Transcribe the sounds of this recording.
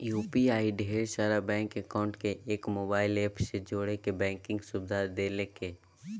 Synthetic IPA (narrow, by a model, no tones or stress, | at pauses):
juːpiaːiɖʱeːɾʃaːɾabɛ̃ːŋkɛkaːʊ̃ɳʈkeʔeːkmoːbaːɪleːpʰsed͡ʒoːɽekebɛ̃ːŋkɪ̃ŋɡsʊbd̪ʱad̪eːlekeː